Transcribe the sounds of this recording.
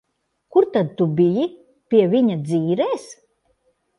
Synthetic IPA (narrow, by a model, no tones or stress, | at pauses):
kuɾt̪ad̪̚t̪ubiji | pʲiɛviɲad̪ziːɾɛːs